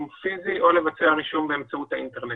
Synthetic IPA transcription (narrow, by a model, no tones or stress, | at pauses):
mfiziʔo̞le̞vat͡seaʁiʃumbeːmt͡saut̪haint̪eʁne